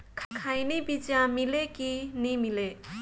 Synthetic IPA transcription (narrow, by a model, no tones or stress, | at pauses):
kʰkʰajnibid͡ʒjamilekinimile